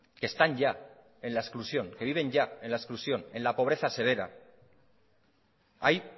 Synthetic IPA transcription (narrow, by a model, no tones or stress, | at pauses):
kest̪aɲʝa | e̞nlaesklusjo̞ŋke̞βiβ̞e̞ɲʝae̞nlaesklusjo̞ne̞nlapo̞β̞ɾe̞θase̞β̞e̞ɾa̰ | a̰j